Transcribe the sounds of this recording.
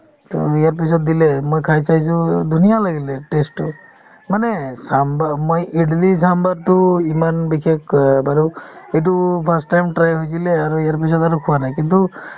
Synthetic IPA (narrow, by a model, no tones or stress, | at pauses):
to̰ijaɹpis̬ɔt̚dilɛmojkʰajsajs̬ũd̪ʱunijalaɡilɛʈesʈu | manesambamojeɖlisambatuimanbikʰekbaɾuet̬upʰasʈːajmʈɾajɦojkileaɾuijaɹpis̬ɔtaɾukʰuwanajkintu